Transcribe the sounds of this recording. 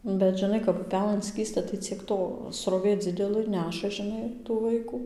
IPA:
bʲɛt ʒʲɪˈnɐɪ kɐp ʊˈpʲæːlˠɘn ˈsʲkʲiːstɐ tɐɪ t͡sʲiɛk ˈtoː sroːˈʋʲeː ˈd͡zʲɪdʲɛlˠɘ ˈnʲæːʃɐ ʒʲɪˈnɐɪ tuː ˈʋɐɪkuː

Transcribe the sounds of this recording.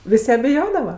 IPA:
ˈʋʲɪsʲ jɛ bʲɪˈjoːdɐʋɐ

